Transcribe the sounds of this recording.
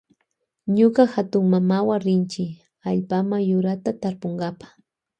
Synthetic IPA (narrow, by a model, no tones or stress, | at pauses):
ɲʊkaxat̪ʊŋmamawaɾɪnt͡ʃɪ | aʎpamajʊɾat̪at̪aɾpoŋɡapḁ